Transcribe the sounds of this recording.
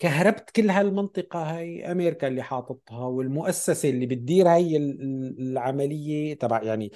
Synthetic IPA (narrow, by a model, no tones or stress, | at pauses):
kaɦɾˤɑbt̪kɪlːɦalmɪnt̪ˤɨqɑhajʔameːɾɪkalːiħɑːt̪ˤɑt̪ˤhɑwɪlmʊʔasːaselːibɪt̪̚d̪iːɾhajːɪlʕamalɪjːet̪abaʕjaʕni